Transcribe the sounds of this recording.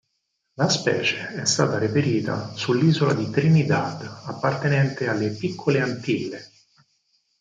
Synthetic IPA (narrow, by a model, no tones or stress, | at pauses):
laspɛ̰ːt͡ʃeɛst̪aːt̪aɾepeɾiːt̪a̰sulːiːzolad̪it̪ɾinid̪ad̪apːart̪enɛnt̪ealːepikʰːoleant̪ilːe